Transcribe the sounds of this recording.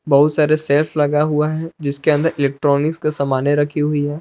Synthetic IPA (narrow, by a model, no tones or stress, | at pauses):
bɐɦʊt̪saːɾeseːlflɐɡaɦuaɦɛ̃d͡ʒɪskeɐ̃nd̪əɾʔɪleːk̚ʈɾɔːnɪkskasɐmaːneɾɐkʰiɦʊiɦɛː